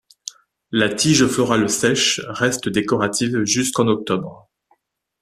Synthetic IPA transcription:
lat̪ʰiʒɔfəʁaləsɛʃʁɛst̪əd̪ekɔʁat̪ʰivʒyskɑ̃nɔk̚t̪ɔbʁ

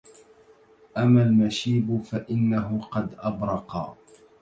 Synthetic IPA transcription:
ʔamːalmaʃiːbʊfaʔɪnːaɦʊqɑd̪ʔabɾˤɑqɑ̰

